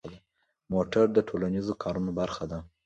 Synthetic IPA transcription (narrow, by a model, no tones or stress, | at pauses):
d̪a | moʈaɾd̪əʈʰolanizokʰɑɾunobaɾxad̪a